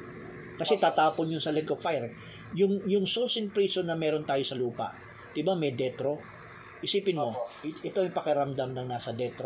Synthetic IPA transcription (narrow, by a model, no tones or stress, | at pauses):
kɐsɛt̪aːt̪aːponjonsɐlɛɡofajɾ | jʊŋjʊŋsolsɪnpɾiːsonɐmɛːɾo̞nt̪aːjo̞sɐluːpɐ̰ʔ | d̪̥ɪbamɛjd̪ɛt̪ɾo̞ | ʔɪsiːpɪnmo̞ʔɛt̪o̞ɐjpɐkɛɾɐmd̪amnɐŋnaːsɐd̪ɛt̪ɾo